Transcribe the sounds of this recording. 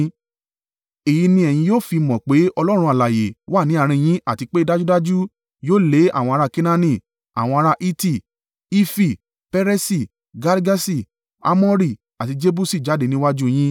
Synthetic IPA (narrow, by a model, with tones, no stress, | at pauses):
e˨ji˧nĩ˧ɛ˨j̃ĩ˧joː˦˨fi˧mɔ̃˨k͡pe˨˦ɔ˧lɔ˦ɾ̃ũ˧a˨la˨je˨wa˦˨nĩ˨˦a˦˨ɾ̃ĩ˧j̃ĩ˦a˦˨ti˧k͡pe˦i˧da˦d͡ʒu˦da˦d͡ʒu˦ | joː˦˨le˨˦a̰˦˨w̃ɔ̃˧a˧ɾa˧ki˦nã˧nĩ˧˨ | a̰˨w̃ɔ̃˧a˧ɾa˧ʔi˦ti˦˨ | i˦fi˦˨ | pɛ˧˦ɾe˦si˧˨ | ɡa˧ɾɡa˦si˦˨ | a̰˦mɔ̃˦ɾi˦˨ | a˨ti˧d͡ʒe˦bu˦si˦˨d͡ʒa˨˦de˧nĩ˧˦wa˦d͡ʒu˦j̃ĩ˦